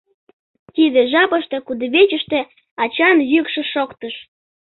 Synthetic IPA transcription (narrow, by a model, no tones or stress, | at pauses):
t̪id̪eʒɑpəʃt̪e̽kud̪əβet͡ɕəʃt̪ĕ | ɑt͡ɕɑnjykʃĕʃokt̪əʃ